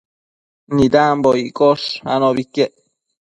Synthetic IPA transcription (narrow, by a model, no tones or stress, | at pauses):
nid̪amboikoʂa̰noβikeʔ